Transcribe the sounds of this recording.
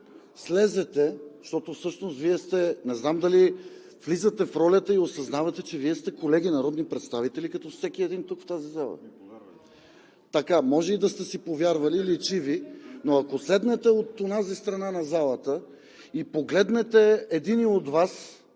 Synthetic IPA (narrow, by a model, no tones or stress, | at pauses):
slɛzɛt̪ɛʃt̪ɔt̪ofsɤʃnost̪viɛst̪ɛnɛznamd̪ɐli | flizɐt̪ɛfɾɔlʲɐt̪əiosɐznavɐt̪ɛt͡ʃɛviɛst̪ɛkolɛɡinɐɾɔd̪nipɾɛt̪st̪avit̪ɛlikɐt̪ɔfsɛk̟iɛd̪int̪ukft̪azizalˠə̰ | t̪ɐkamɔʒɛid̪ɐst̪ɛsipovjaɾvɐliːlit͡ʃivinoɐkoslɛd̪nɛt̪ɛot̪onazist̪ɾɐnanɐzalˠɐt̪ə | ipoɡlɛd̪nɛt̪ɛɛd̪iniod̪vas